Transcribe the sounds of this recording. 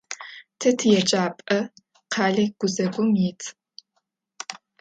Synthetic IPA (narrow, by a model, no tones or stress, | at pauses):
tʰɐtʰɨjɛt͡ʃʼaːpʼɐ | qʰaːɮɐɡ̥ʷʊzɐɡʷʊmjɪtʰ